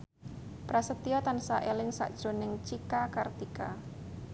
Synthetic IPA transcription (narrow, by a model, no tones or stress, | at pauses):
pɾasət̪iɔt̪ansaʔelɪŋsa̰ʔd̥ʒ̥o̤nɪŋt͡ʃikakart̪ika